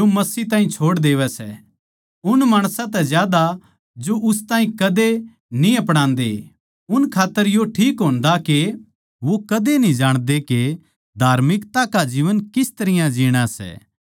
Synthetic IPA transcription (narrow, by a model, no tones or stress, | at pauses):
omɐsiːt̪ãːɦĩt͡ʃʰoːɽd̪eːʋɛsɛ̰ | ʊnmaːɽ̃sãt̪̬ɛzjaːd̪a | d͡ʒoʔʊst̪ãːɦĩkɐd̪e | nĩɐpɽ̃ãːnd̪ḛ | ʊnkʰaːt̪ːəɾjoʈʰiːkɦoːnd̪ake | ʋokɐd̪enĩd͡ʒaːɽ̃d̪eke | d̪ʱaːɾmɪkt̪akad͡ʒiːʋənkɪst̪ɐɾɪjãd͡ʒiːɽ̃asɛ̰ː